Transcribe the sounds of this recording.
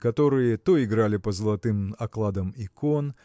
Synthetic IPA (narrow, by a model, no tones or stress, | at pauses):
kɐt̪oɾɨjət̪oɪɡɾalʲɪpɐzəlˠɐt̪ɨmɐklˠad̪ɐmikon